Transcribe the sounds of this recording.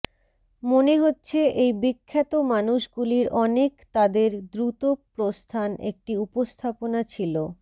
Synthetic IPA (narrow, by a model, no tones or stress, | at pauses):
moneɦotːɕʰeʔejbikʰːat̪omanuʃɡuliɾɔnekt̪ad̪eɾd̪ɾut̪opɾost̪ʰanʔḛk̚ʈiupost̪ʰaponat͡ɕʰilo